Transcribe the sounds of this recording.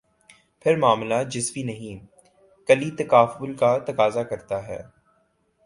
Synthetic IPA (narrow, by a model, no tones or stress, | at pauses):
pʰɪɾmaːmlad͡ʒɪsbinɐɦĩ | kɐlit̪ɐkaːfbʊlkat̪ɐkaːzakɐɾt̪aɦɛ̰ː